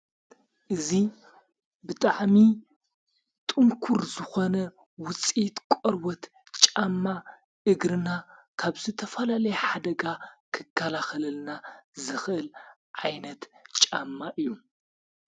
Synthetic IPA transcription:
ʔɨzi | bɨt̪ʼaʕmi | t̪ʼɨŋkʰuɾzɨxo̞nɐ | wʊt͡sʼit̪kʷʼɔɾwɔt̪ | t͡ʃʼamːa | ʔɨɡɾɨnakʰaβzɨt̪ʰɐfɐlalɐjħad̪ɐɡakʰɨkʰːɐlaxɐlɨlnazɨxʔɨl | ʕajnɐt̪t͡ʃʼamːaʔɨjːu

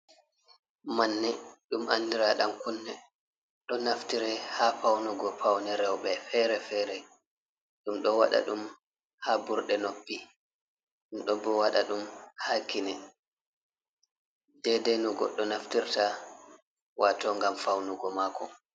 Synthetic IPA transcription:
manːɛɗumanːdiɾaɗamkunːɛ | ɗɔnaftiɾɛhafawnuɡɔpawnɛɾɛwɓɛfɛɾɛfɛɾɛ | ɗumɗɔwa̰ɗa̰ɗum | habuɾɗɛnopːi | ɗumɗɔbɔwaɗaɗumhakinɛ | dɛdɛnuɡɔ̰ɗːɔnaftiɾta | watɔŋɡamfawnuɡɔmaːkɔ̰

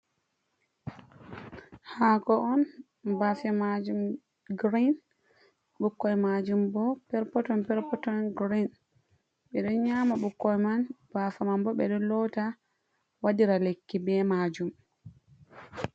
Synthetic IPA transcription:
haɡɔʔɔn | bafɛmad͡ʒum | ɡɾin | ɓukːɔjmad͡ʒumbɔpɛɾpɔtɔnpɛɾpɔtɔnɡɾin | ɓɛɗɔɲamaɓukːɔjmanb̥afamanbɔɓɛɗɔlɔta | wadiɾalekːibɛmad͡ʒum

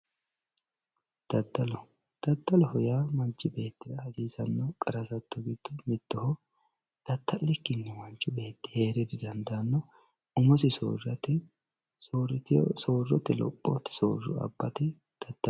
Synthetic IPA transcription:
d̪̥ɐd̪ɐlɔ | d̪̥ɐd̪ːɐlɔhɔjamɐnt͡ʃːɪbe̞ːt̪ːɪd̪ɐhɐziːsɐnːɔkʼɐɾɐsɐt̪ːɔɡɪt̪ːʊmɪt̪ːɔhɔ | d̪̥ɐt̪ːɐlːɛkːɪnːɛmɐnt͡ʃːʊbe̞ːt̪ːɪ̥he̞ːɾɛd̪ɪd̪ɐnd̪anːɔ | ʊmɔsɪso̰ːrɐt̪ːɛ | soːɾɪt̪ɪsoːrːɔt̪ːɛlɔ̰pʼːɔ̰t̪ːɛ̥so̰ːrʊ̰ɐ̰bːɐt̪ɛ | d̪̥ɐd̪̥ːɐ

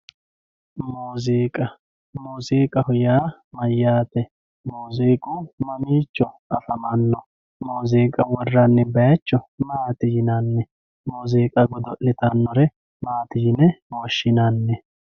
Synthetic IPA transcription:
muːzeːkʼɐ | muːzeːkʼɐhʊjaːmɐjːaːt̪ɛ | muːzeːkʼumɐmiːt͡ʃːɔʔɐfɐmɐnːɔ | muːzeːkʼɐwɔrːɐnːɛbɐjɐt͡ʃːɔmaːt̪ɪjɪnɐnːɛ | muːzeːkʼɐɡɔd̪ɔʔɪt̪ɐnːɔɾɛ | maːt̪ɪjɪnɛwɔʃːɪnɐnːɛ

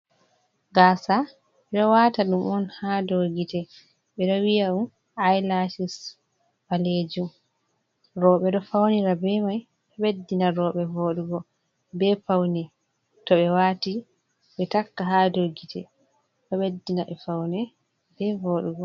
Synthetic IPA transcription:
ɡaːsa | ɓɛɗɔwaːtaɗumɔnhadoɡitɛ | ɓɛɗɔwijaum | ajlasis | maled͡ʒum | ɾɔɓɛɗɔfawniɾabɛmaj | ɓɛɓedːinaɾɔɓɛvoːɗuɡɔ | bɛfawnɛ | tɔɓɛwaːti | ɓɛtakːaɦadoɡitʰɛ̰ | ɓɛɓedːinaɓɛ̰fawnɛ | bɛvoɗuɡɔ

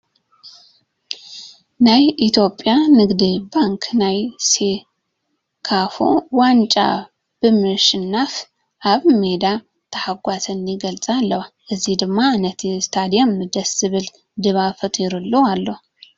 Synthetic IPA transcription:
najit̪ʰjo̞pʼːjanɨɡd̪ibaŋkʰnajse | kʰafo̰want͡ʃʼa̰ | b̥ɨmɨʃɨnːaf | ʔaβme̞d̪a | t̪ʰəhaɡʷasɨniɡəlt͡sʼalːəwaʔɨzːihd̪ɨɡmaːnət̪ɛst̪ʰad̪ijamɨd̪əsɨβɨl | d̪ɨβafət̪ʰʼɪɾɨlːoalːəh

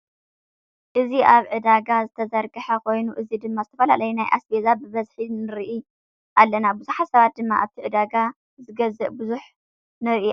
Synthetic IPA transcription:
ʔɨziʔaβʕɨd̪aɡazɨt̪ʰɐzɐɾɡɨħɐkʰo̞jnuʔɨzid̪ɨmːazɨt̪ʰɐfɐla̰lɐjunajʔa̰sbezabɨβɐzħinɨɾʔi | ʔalːɐnabɨzuħatsɐβat̪̚d̪ɨmːaʔaβt̪ʰiʕɨd̪aɡa | zɨɡɐzɨʔbɨzuħ | nɨɾʔi

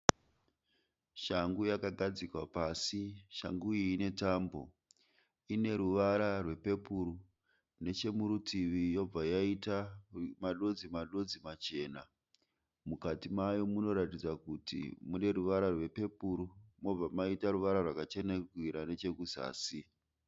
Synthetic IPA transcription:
ʃaŋɡujakaɡʱad͡zikwapaːsiʃa̰ŋɡuiːne̞taːmbo̞̰ | ine̞ɾuʋaɾarwe̞pe̞puɾu | ne̞t͡ʃe̞muɾutʰiʋijo̞b͡vajaitamaɗo̞d͡zimaɗo̞d͡zimat͡ʃe̞ːna | mukatimajo̞muno̞ɾatid͡zakutḭmune̞ɾuʋaɾarwe̞pe̞puɾumo̞b͡vamaitaruʋaɾarwakat͡ʃe̞neɡʱwiɾane̞t͡ʃe̞kuza̰ːsi

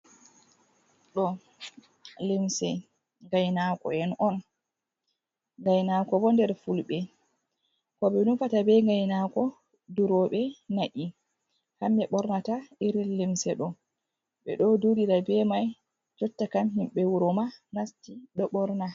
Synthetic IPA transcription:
ɗɔ | limsɛ | ŋɡajnakɔ̰ɛnɔn | ŋɡajnakɔbɔndɛɾfulɓɛ | kɔbɛnufatabɛŋɡajnakɔ | duɾɔɓɛnaʔi | hamːɛɓɔɾnataiɾilimsɛɗɔ | ɓɛ̰ɗɔdudiɾabɛmaj | d͡ʒɔtːakamɦimɓɛwuɾɔmanastiɗɔɓɔɾna

